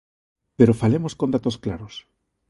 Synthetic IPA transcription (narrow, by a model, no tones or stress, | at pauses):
peɾofalemoskond̪at̪osklaɾos